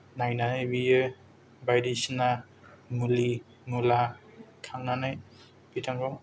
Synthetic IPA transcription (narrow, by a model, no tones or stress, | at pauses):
najnanajbijɯ | bajdisina | ŋuli | ŋula | kʰaŋnanaj | b̥itʰaŋɾɔŋ